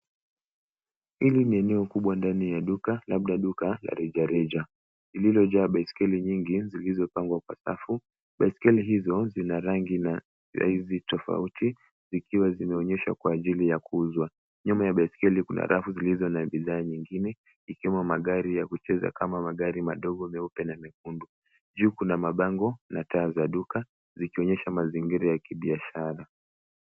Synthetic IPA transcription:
iliniɛnɛɔkuɓwandanijaɗukalaɓ̚ɗaɗukala̰ɾɛd͡ʒaɾɛd͡ʒa | zililɔʄaːɓaiskɛliɲiŋɡizilizɔpaŋɡwakwa̰sa̰fu | ɓaiskɛliɦizɔzinaɾaŋɡina | a̰izitɔfa̰uti | zikiwazinaɔɲɛʃa̰kwaːʄilijakuuzwa | ɲɔmɔjaɓaiskɛlikuna̰ɾʔafuzilizɔnaɓiðaːɲiŋɡinɛ | ikiwɛmumaɠaɾijakut͡ʃɛza̰kamamaɠaɾimaɗɔɠɔmɛupɛnamɛk̚undu | ʄuːkunamaɓaŋɡɔnataːzaɗuka | zikiɔɲɛʃamaziŋɡiɾajakiɓiaʃaɾa

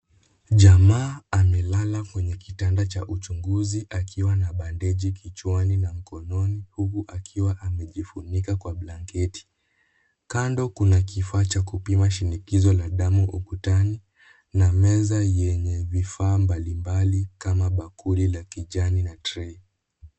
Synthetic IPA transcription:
ʄamaːamɛlalakwɛɲɛkitandat͡ʃaʔut͡ʃuŋɡuziʔakiwanaɓandɛʄikit͡ʃwaninam̩kɔnɔnihukuʔakʰiwaʔamɛʄifunikakwaɓlaŋkɛti̥ | kandɔkunakifaːt͡ʃakupimaʃinikizɔlaɗamuʔukutani | namɛzajɛɲɛvifaːmbalimbalikamaɓakulilakiʄaninatɾɛ

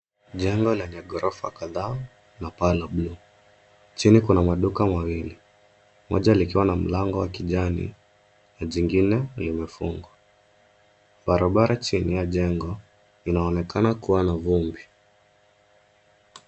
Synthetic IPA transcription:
ʄɛŋɡɔlɛɲaɠɔɾʔɔfa̰kaða | napalablu | t͡ʃinikunamaɗukamawili | mɔʄalikiwanam̩laŋɡɔwakiʄanḭ | naʄiŋɡinɛlimɛfuŋɡwa | ɓaɾaɓaɾat͡ʃinijaʄɛŋɡɔ | inaɔnɛkanakuwanavumbi

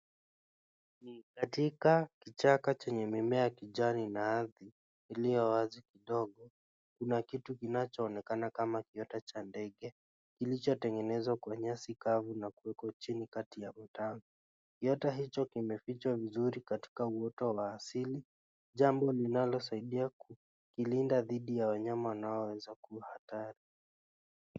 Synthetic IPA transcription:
nikatikakit͡ʃakat͡ʃɛɲɛmimɛakiʄaninaaðiː | lijɔwazikiɗɔɠɔ | kunakitukinat͡ʃɔːnɛkanakamakiɔtat͡ʃandɛɠɛ | kilit͡ʃɔtɛŋɡɛnɛzwakwaɲasikavunakuwɛkɔt͡ʃinikatijam̩taŋɡa | kiɔtaɦit͡ʃɔkimɛfit͡ʃwavizuɾikati̥kauɔtɔwaːsili | ʄambɔlinalɔs̬aiɗiaku | kilindaðiɗijawaɲamawanaɔwɛzakuhataɾi

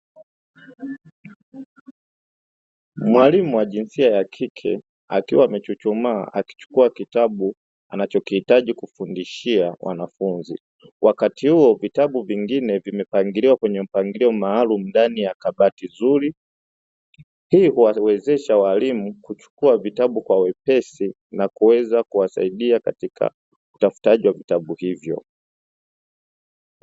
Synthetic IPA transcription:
mwalimuwaʄinsiajakʰikʰɛ̰ | a̰kiwaːmɛt͡ʃut͡ʃɔma̰ʔaki̥t͡ʃu̥kuakitaɓu | anat͡ʃɔkihitaʄikufundiʃiawʔa̰nafunzḭ | wʔakatihuɔvitaɓuviŋɡinɛvimɛpaŋɡiliwakwɛɲɛm̩paŋɡiliɔmaːlumundanijakaɓatizuɾi | hiːhuwawɛzɛʃawalimukut͡ʃu̥kuavitaɓukwawɛpɛsi | nakuwɛzakuwasa̰iɗiaka̰tikʰa̰ | utafu̥taʄiwavitaɓuhivjɔ̰

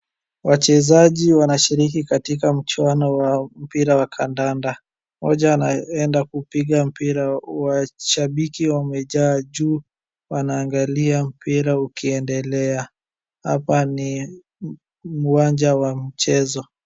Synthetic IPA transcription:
wat͡ʃɛzaʄiwanaʃiɾikikatikam̩t͡ʃwanɔwam̩piɾawakʰandanda | mɔʄaːnaɛndakupiɠam̩piɾawaʃaɓikiwamɛʄaːʄuː | wanaːŋɡaliam̩piɾaukiɛndɛlɛa | ha̰pani | muwand͡ʒawamit͡ʃɛzɔ

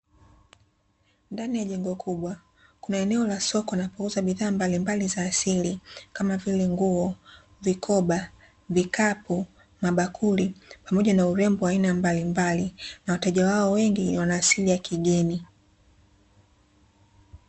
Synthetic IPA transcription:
ndanijaʄɛŋɡɔkʰuɓwa | kunaɛnɛɔlasɔkɔinapuŋɡuzaɓiðaːmbalimbalizaːsilikamavilɛŋɡuɔ | vikʰɔɓa | vikapu | maɓakʰulipamɔʄanauɾɛmbuwainambalimbalinawatɛʄawaɔwɛŋɡiwanaːsilijakʰiɠɛni

